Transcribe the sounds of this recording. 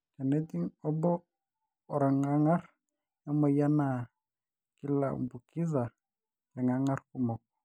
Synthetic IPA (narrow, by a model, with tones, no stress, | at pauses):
ka˨nɛt̪i˦ŋɔ˦bɔː˦˨ | ɾa˨ŋa˦ŋa˦r | na˦mɔ˨ja˦na | ki˦la˨ṵ˨mbu˨ki˦za˨ | jɛ˨ŋa˦ŋa˦rku˦mɔ˨kɔ̥